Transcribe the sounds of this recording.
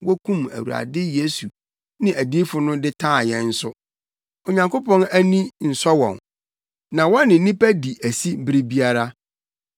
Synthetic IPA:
wɔ˦kʰũ˦mæ̰˨wu˨ɾa̰˨dɪ˦je˦su˨ | nɪ̃˨ʔæ˨di˦fʊ˨nʊ̃˦dɪ˦tʰãː˦˨jɛ˦n̩˦sʊ˦ | o˨ɲã˨ŋkʰo˦pʰɔ̃˦næ˦nĩ˦n̩˨sɔ˦wɔ̰̃˨n | nã˨wɔ̃˦nːɪ̃˨n̩˦nĩ˦pæ˦di˨ʔæ˨si˦m˦bɪ˦ɾɪ˦bi˦a˦ɾa˦

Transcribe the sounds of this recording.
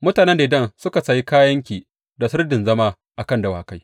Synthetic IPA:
mʊ˦taː˨nɛ˦nda˨ʔɪ˦dɐ˦nsʊ˦ka˨sɐ˨ji˦kaː˦jɐ˦ŋkʲiː˨ | da˨sɪ˦rdɪ˨nzɐ˦maː˦ | ʔa˨kɐ˦˨ndɐ˦wa̰ː˨ka˦j

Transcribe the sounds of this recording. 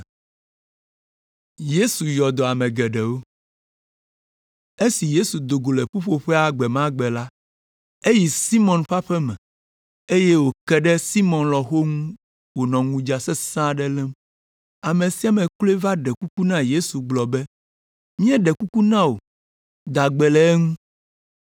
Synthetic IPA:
je˦su˨jɔ˨d̪ɔ˨a˨mɛ̃˨ɡɛ˨ɖɛ˨wo˦ | e˦si˨je˦su˨d̪o˨ɡo˨lɛ˨ɸo˦ɸo˦ɸɛ˦a˨ɡ͡bɛ˨mã˦ɡ͡bɛ˨la˦ | e˦ji˨si˦mɔ̃˨nɸa˦ɸɛ˦mɛ̃˨ | e˦je˦wo˨kɛ˦ɖɛ˦si˦mɔ̃˨nlɔ˨xo˦ŋũ˦ | wo˨nɔ̃˨ŋũ˨d͡ʒa˨sɛ˦sã˦ɖɛ˦lɛ˦m | a˨mẽ˨si˦a˨mɛ̃˨kle˦va˦ɖɛ˨ku˦ku˦nã˦je˦su˨ɡ͡blɔ˨bɛ˦ | mĩ˦ɛ̃˦ɖɛ˨ku˦ku˦nã˦wo˨ | d̪a˨ɡ͡bɛ˨lɛ˨˦ɛ˦ŋũ˦

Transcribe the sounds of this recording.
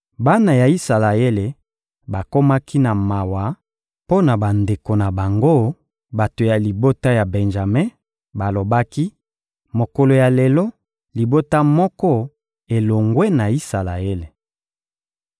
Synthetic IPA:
ba˦na˨ja˨i˦sa˨la˨e˦le˨ | ba˨ko˦ma˦ki˦na˨ma˨wa˨˦ | po˦na˨ba˨nde˨ko˨na˨ba˨ŋɡo˦ | ba˨to˨ja˨li˨bo˦ta˦ja˨bɛ˨nʒa˨me˦ | ba˨lo˨ba˦ki˦ | mo˨ko˨lo˨ja˨le˨lɔ˦ | li˨bo˦ta˦mɔ˦kɔ˦ | e˨lo˨ŋɡwe˦na˨i˦sa˨la˨e˦le˨

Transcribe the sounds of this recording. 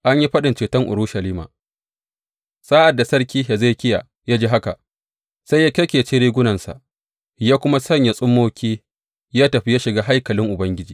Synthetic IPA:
ʔa˦ɲji˦ɸɐ˦ɗɪ˨nt͡ʃeː˨tɐ˦ŋʔʊ̰˨ɾu˦ʃɐ˨liː˦ma̰ː˨ | sʼaː˦ʔa˨dːa˨sɐ˦rkʲiː˦ja˨za˦˨kʲɪ˦ja˨ | jaː˦d͡ʒeː˦ɦa˦ka̰˨ | sa˦jːa˦kʲɐ˦kʲeː˨t͡ʃeː˦ɾeː˦ɡʷʊ˦nɐ˨nsa̰˨ʔ | jaː˦kʷʊ˦ma˦sɐ˦ɲja˨sʼʊ˦mːoː˦kʲiː˦ | jaː˦tɐ˨ɸi˦jaː˦ʃɪ˨ɡaː˦ɦa˦jkɐ˨lɪ˦ŋʔʊ˨bɐ˦ŋɡʲɪ˦d͡ʒiː˨

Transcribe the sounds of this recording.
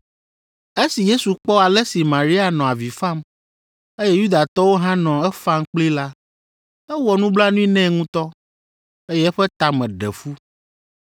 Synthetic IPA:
e˦si˨je˦su˨k͡pɔ˦a˨lɛ˦si˨mã˨ɾi˦a˨nɔ̃˨a˨vi˨fa˦˨m | e˦jɛ˦ju˦d̪a˨t̪ɔ˦wo˦ɦã˦nɔ̃˨ɛ˦fa˦ŋ˦k͡pli˦la˦ | ɛ˦wɔ˨nũ˦bla˦nũ˦ĩ˦nɛ̃˦ŋũ˦t̪ɔ˦ | e˦jɛ˦ɛ˦ɸɛ˦t̪a˨mɛ̃˨ɖɛ̰˨fu˦

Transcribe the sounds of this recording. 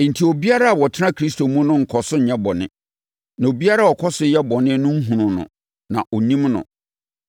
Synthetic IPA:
n̩˨tʰi˨o˨bi˦a˦ɾa˦a˨wɔ˨tʰɪ˦ã˦kʰɾi˦s̬to˨mũ˦nʊ̃˦ŋ̩˨kʰɔ˨sʊ˦˨ɲɛ˦bɔ˨nɪ̰̃˦ | nã˨o˨bi˦a˦ɾa˦˨ɔ˨kʰɔ˦sʊ˦jɛ˦bɔ˨nɪ̃˦nʊ̃˦ŋ̩˦ɦũ˨nʊ̃˨nʊ̰̃˨ | nã̰˨ʔo˨nĩ˦mnʊ̰̃˨

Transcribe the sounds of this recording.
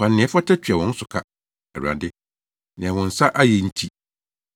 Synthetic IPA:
ã˨nːɪ̃˨ɛ˨˦fɔ˦tʰɛ˦t͡ɕʰᶣɥɛ˨wɔ̃˨˦n̩˦sʊ˨kʰa˦ | ɛ˨ɾã̰˨dɪ˦ | nɪ̃˨ɛ̃˨wɔ̃˨n̩˨sa˦ʔa˦jɛ˨n̩˦tʰi˦

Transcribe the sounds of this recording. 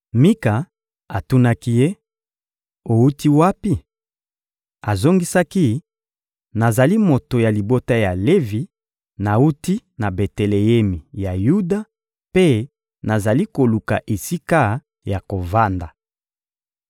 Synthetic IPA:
mi˦ka˨ | a˨tu˦na˦ki˦je˦ | o˨u˦ti˦wa˦pi˦ | a˨zo˦ŋɡi˦sa˦ki˦ | na˨za˨li˦mo˨to˨ja˨li˨bo˦ta˦ja˨le˦vi˨ | na˨u˦ti˦na˨be˨te˨le˨je˦mi˨ja˨ju˦da˦ | pe˦ | na˨za˨li˦ko˨lu˨ka˨ʔe˨si˦ka˦ | ja˨ko˨va˦nda˨

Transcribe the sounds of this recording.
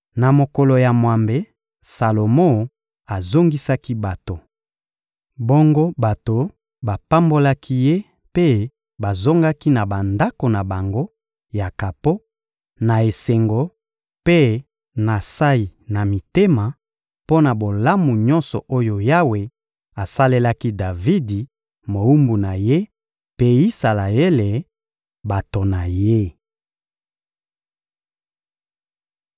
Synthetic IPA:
na˨mo˨ko˨lo˨ja˨mwa˨mbe˨ | sa˨lo˨mo˦ | a˨zo˦ŋɡi˦sa˦ki˦ba˨to˨ | bo˦ŋɡo˦ba˨to˨ | ba˨pa˦mbo˦la˦kʰi˦je˦ | pe˦ | ba˨zo˦ŋɡa˦ki˦na˨ba˨nda˦ko˨na˨ba˨ŋɡo˦ | ja˨ka˨po˦ | na˨e˨se˨ŋɡo˦ | pe˦ | na˨sa˦i˨na˨mi˨te˦ma˨ | po˦na˨bo˨la˦mu˨ɲɔ˦nsɔ˨ʔo˦jo˨ja˦we˨ | a˨sa˦le˦la˦ki˦da˨vi˦di˨ | mo˨u˦mbu˨na˨je˦ | pe˦i˦sa˨la˨e˦le˨ | ba˨to˨na˨je˦

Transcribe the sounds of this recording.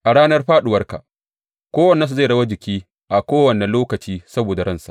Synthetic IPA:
ʔa˨ɽaː˦nɐ˦rɸaː˦ɗʊ˨wɐ˦rka̰˨ | kʷoː˦wɐ˨nːɛ˦su˨za˦˨ɽɐ˦wa˦d͡ʒɪ˨kʲiː˦ | ʔa˨kʷoː˦wɐ˨nɛ˨loː˦kɐ˨t͡ʃiː˦sɐ˦boː˨da˨ɽɐ˦˨nsa̰˨

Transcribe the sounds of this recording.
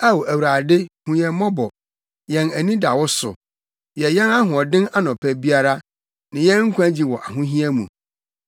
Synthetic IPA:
a˦wo˨æ˨wu˨ɾaː˨dɪ˦hũ˨ɲɛ̃˨mɔ̃˦bɔ˨ | jɛ̃˨næ˨nĩ˦da˨wɔ˦sʊ̰˨ | jɛ˨jɛ̃˦na˦ɦʊ̃˨ɔ˨dɪ̃˦na˦nɔ̃˨pʰæ˦bi˦a˦ɾa˦ | nɪ̃˨jɛ˦ŋ̩˦kʷʰã˦d͡ʑi˨wɔ˨ʔa˨ɦʊ̃˦ɦĩ˦ɛ˦mũ˨

